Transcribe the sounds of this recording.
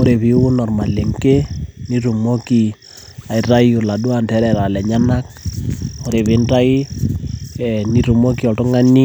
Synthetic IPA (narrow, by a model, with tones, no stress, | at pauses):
o˦ɾe˨βi˨˦wu˦nɔ˨rma˨le˨ŋke˦ni˦ɾu˨mo˦ki˨ | a˨i˨ra˦ju˨la˨ɗu˦a˨ntɛ˦ɾɛ˨ɾa˨lɛ˨ɲa˦na˦k̚ | o˦ɾe˨βe˦nta˦i˦ | ɛni˦ɾu˨mo˦ki˦ɔ˨tʊ˦ŋa˦ni˦